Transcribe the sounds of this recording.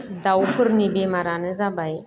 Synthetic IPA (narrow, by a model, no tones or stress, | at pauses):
dawpɨɾnibemaɾanəzabaj